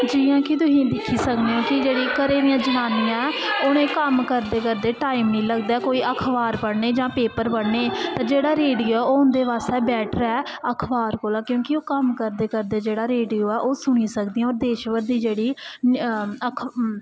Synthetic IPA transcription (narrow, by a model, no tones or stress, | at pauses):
d͡ʒiːãːkɪt̪ʊɦĩːd̪ɪkʰːiːsəkd̪eːɦõːkɪd͡ʒeːɽiːkəɾeːd̪ɪjãːd͡ʒənaːnijãɛːonẽːkəmkəɾd̪eːkəɾd̪eːʈaːɪmnĩːləɡd̪aːɛːkoːiːʔəkʰʋaːɾpəɽneːd͡ʒãːpeːpəɾbəɽneːt̪ãːd͡ʒeːɽaːɾeːɖijoːɛːoːʊnd̪eːʋaːsɛːbɛːʈəɾɛː | əkʰʋaːɾkoːlaːkjõːkɪoːkəmkəɾd̪eːkəɾd̪eːd͡ʒeːɽaːɾeːɖijoːɛːʔoːsʊɽ̃iːsəkd̪iːj̃ãːoːɾd̪eːʃʋəɾd̪iːd͡ʒeːɽiː | əkʰ